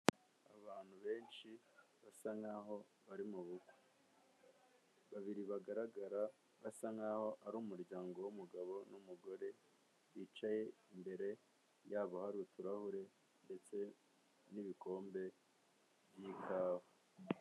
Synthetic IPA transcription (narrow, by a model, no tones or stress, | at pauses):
a̰βaːn̥huβe̞ːnʃi | βasaŋaho̞ | βaɾimuβuɡu | βaβiɾiβaɡaɾaɡaɾa | βasaŋaho̞ʔaɾuːmuɾɟaːŋɡo̞wumuɡaβo̞numuɡo̞ɾe̞ | βit͡ʃaje̞imbe̞ɾe̞ | jaːβohaɾutuɾahuɾe̞ | nde̞t͡se̞ | niβiko̞ːmbe̞ | βjiːkʰaːha